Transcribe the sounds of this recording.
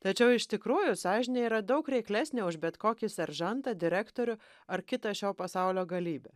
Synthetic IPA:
t̪ɐt͡ʃʲɛʊɪʃʲt̪ʲɪkɾuːjʊsɑːʒʲɪnʲɛiːɾɐd̪ɐʊkɾʲɛɪklʲæsʲnʲeʊʒbʲɛt̪koːkʲɪsʲɛɾʒɐnt̪ɑd̪ʲɪɾʲæːkt̪oːɾʲʊ | ɐɾkʲɪt̪ɐʃʲoːpɐsɑʊlʲoːɡɐlʲiːbʲe

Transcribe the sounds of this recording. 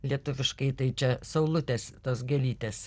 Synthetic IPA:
lʲiɛt̪ʊʋʲɪʃkɐɪt̪ɐɪt͡ʃʲɛsɐʊlˠʊt̪ʲeːst̪oːsɡʲɛlʲiːt̪ʲeːs

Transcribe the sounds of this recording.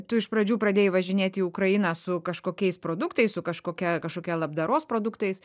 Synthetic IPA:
t̪ʊɪʃpɾɐd͡ʒʲuːpɾɐd̪ʲeːjɪʋɐʒʲɪnʲeːt̪ʲiːʊkɾɐɪnɐːsʊkɐʃkoːkʲɛɪspɾoːd̪ʊkt̪ɐɪssʊkɐʃkoːkʲɛkɐʃkoːkʲɛːlˠɐbd̪ɐɾoːspɾoːd̪ʊkt̪ɐɪs

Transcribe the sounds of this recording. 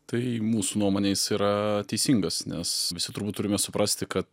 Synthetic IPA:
t̪ɐɪmuːsuːnuɔmoːnʲeːsiːɾɐt̪ʲɛɪsʲiŋɡɐsnʲɛsʋʲɪsʲɪt̪ʊɾbuːt̪ːʊɾʲɪmʲɛsʊpɾɐsʲt̪ʲɪkɐt̪

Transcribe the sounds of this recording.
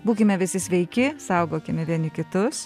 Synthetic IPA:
buːkʲɪmʲɛʋʲɪsʲɪsʲʋʲɛɪkʲɪsɐʊɡoːkʲɪmʲɛʋʲiɛnʲɪkʲɪt̪ʊs

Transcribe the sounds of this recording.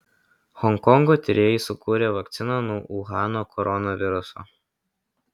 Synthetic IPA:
hɔŋkɔŋɡoːt̪ʲɾʲeːjɪsʊkuːɾʲeːʋɐkt̪sʲɪnɐnuːʔuːɣɑːnoːkʰɔɾɔnoʋʲɪɾʊso̰ː

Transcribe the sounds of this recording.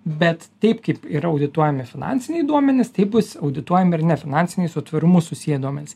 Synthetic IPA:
bʲɛt̪t̪ɐɪpkɐɪpiɾɐɐʊd̪ʲɪt̪uɔjɛmʲɪfʲɪnɑ̰ːnʲtsʲɪnʲɛɪd̪uɔmʲɛnʲɪst̪ɐɪbʊsɐʊd̪ʲɪt̪uɔjɛmɪɾnʲɛfʲɪnɑnʲsʲɪnʲɛɪsʊt̪ʋɐɾʊmʊsʊsʲijɛd̪uɔmʲɛnʲɪs

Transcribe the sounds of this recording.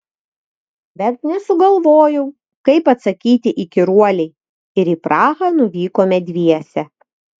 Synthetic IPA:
bʲɛt̪̚nʲɛsʊɡɐlˠʋoːjɛʊ | kɐɪpɐt̪sɐkʲiːt̪ʲɪʔɪkʲɪɾuɔlʲɛɪ | ɪɾiːpɾɑːɣɑnʊʋʲiːkoːmʲɛd̪ʲʋʲiɛsʲɛ

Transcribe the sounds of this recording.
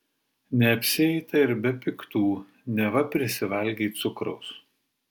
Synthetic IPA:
nʲɛɐpʲsʲɪɛɪt̪ɐɪɾbʲɛpʲɪkt̪uː | nʲɛʋɐpʲɾʲɪsʲɪʋɐlʲɡʲiːt̪sʊkɾɒʊs

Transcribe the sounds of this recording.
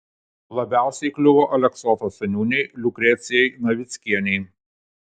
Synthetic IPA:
lˠɐbʲæˑʊsʲɛɪklʲʊʋoːʔɐlʲɛksɔt̪oːsʲɐnʲuːnʲɛɪlʲʊkɾʲɛt̪sʲɪjɛɪnɐʋʲɪt̪sʲkʲiɛnʲɛɪ

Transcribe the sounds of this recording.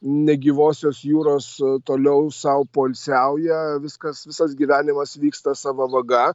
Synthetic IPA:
nʲɛɡʲiːʋoːsʲoːsjuːɾoːst̪oːlʲɛʊsɐʊpoːlʲsʲɛʊjɛʋʲɪskɐsʋʲɪsɐsɡʲiːʋʲæːnʲɪmɐsʋʲiːkst̪ɐsɑːʋɐʋɐɡɐ

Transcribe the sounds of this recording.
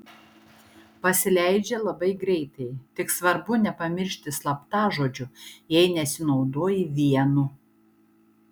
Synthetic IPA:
pɐsʲɪlʲæˑɪd͡ʒʲɛlˠɐbɐɪɡɾʲɛɪt̪ɐɪt̪ʲɪksʋɐɾbʊnʲɛpɐmʲɪɾʲʃʲt̪ʲɪslˠɐpt̪ɑːʒoːd͡ʒʲʊjɛɪnʲɛsʲɪnɒʊd̪oːjɪʋʲiɛnu

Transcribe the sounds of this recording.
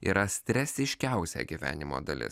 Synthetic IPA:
ḭɾɐsʲt̪ʲɾʲɛsʲɪʃʲkʲæˑʊsʲɛ̰ɡʲiʋʲæ̰ːnʲɪmo̰ːd̪ɐlʲɪ̰s

